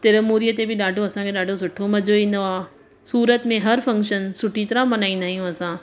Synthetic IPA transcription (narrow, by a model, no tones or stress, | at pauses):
t̪ɪɾəmuːɾijət̪ebɪɗaːɖʱoɐsãkʰeɗaːɖʱosʊʈʰomɐd͡ʑʱoĩːn̆d̪oaː | suːɾət̪mẽɦɐɾfɐ̃ŋkʃənsʊʈʰit̪ɐɾãmɐnaːĩnd̪aːɦijũɐsãː